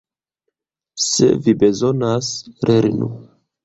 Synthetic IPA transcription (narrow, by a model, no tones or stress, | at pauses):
sḛvibe̞zo̞nasɾeɾinṵ